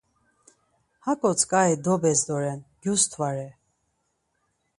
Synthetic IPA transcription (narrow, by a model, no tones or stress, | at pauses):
hakʼɔt͡sʰkʼaid̪ɔbɛsd̪ɔɾɛnɡ̥just̪ʰvaɾɛ